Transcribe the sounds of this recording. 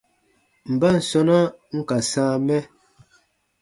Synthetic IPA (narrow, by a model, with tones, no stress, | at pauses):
m̩˨ba˦n̩˨sɔ˦na˦ŋ̩˦ka˨sãː˦mɛ˦